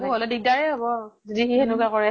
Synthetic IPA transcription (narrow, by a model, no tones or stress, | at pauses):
kɔlɛdiɡ̚daɹɛɦɔbɔzodixienukakɔɹɛ